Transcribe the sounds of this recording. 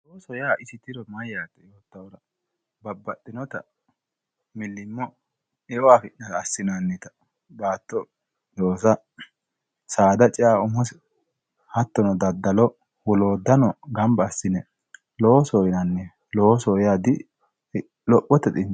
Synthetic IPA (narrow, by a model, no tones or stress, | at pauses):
losɔjaːɪsɪt̪ɪɾɔmɐjːaːt̪ːɛjoːt̪ːɐwɔɾɐ | bɐbːɐt̪ʼːɪnɔt̪ɐ | mɪlːɪmːɔ | ɛwaːfɪʔnɐtɐːsːɪnanːɛt̪ɐ̥ | baːt̪ːɔ | joːsɐ | saːd̪ɐt͡ʃʼɪaːʊmɔsɛ | hɐt̪ːɔnɔd̪ɐd̪ːɐlɔ | wɔloːd̪ɐnɔɡɐmbɐːsːɪnɛ | lowɔsɔːjɪnɐnːɛ | loɔsɔjaːd̪ɪ | lɔʔːɔt̪ːɛt̪ɪn